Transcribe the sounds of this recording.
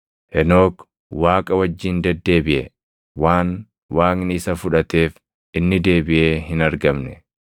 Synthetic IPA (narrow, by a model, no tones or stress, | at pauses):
ʔɛno̞ːk | waːkʼɐwɐd͡ʒːiːnd̪ɛd̪ːe̞ːbɪʔɛ̰ | waːn | waːknɪsɐfʊᶑɐt̪e̞ːf | ʔɪnːɪd̪e̞ːbɪʔe̞ːɦɪnɐɾɡɐmnɛ